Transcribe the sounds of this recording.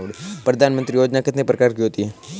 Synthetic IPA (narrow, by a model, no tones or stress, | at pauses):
uɽpɾəd̪ʱanmənt̪ɾijod͡ʑnakət̪nepɾəkaɾkiɦot̪i